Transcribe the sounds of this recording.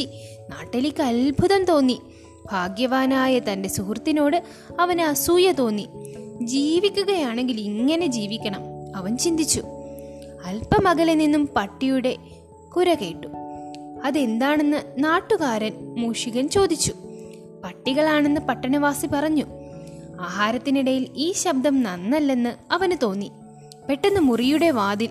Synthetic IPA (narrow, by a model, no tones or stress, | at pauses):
inaːʈːelikʲːɨɐlbʱuðɐmt̪o̞ːnːi | b̥ʱaːɡjɐʋaːnaːjɐt̪ɐnde̞suhrt̪ːino̞ːɽɨ | ɐʋɐnɐsuːjɐt̪o̞ːnːid͡ʑiːʋikʲːuɣɐjaːɳe̞ŋɡiliŋːɐne̞d͡ʑiːʋikʲːɐɳɐmɐʋɐnt͡ɕind̪it͡ɕːu | ɐlpɐmɐɣɐleninːumpɐʈːijuɽe̞ | kuɾɐke̞ːʈːu̥ | ɐðe̞nd̪aːɳe̞nːɨnaːʈːuɣaːɾɐnmuːʂiɣɐnt͡ɕo̞ːd̪it͡ɕːu | pɐʈːiɣɐɭaːɳe̞nːɨpɐʈːɐnɐʋaːsipɐrɐɲːu | aːɦaːɾɐt̪ːiniɽɐjiliːɕɐb̚d̪ʱɐmnɐnːɐlːe̞nːɨɐʋɐnt̪o̞ːnːi | pe̞ʈːenːɨmurijuɽe̞ʋaːd̪il